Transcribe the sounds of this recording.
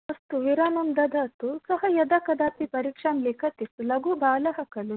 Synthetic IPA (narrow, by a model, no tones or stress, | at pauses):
ɐst̪uʋiɾaːnɐmd̪ɐd̪ʱɐt̪usɐɦɐjɐd̪ɐkɐd̪aːp̪ipɐɾiːkʂaːmleːkʰɐt̪ist̪ulɐɡubʱaːlɐɦɐkɐlu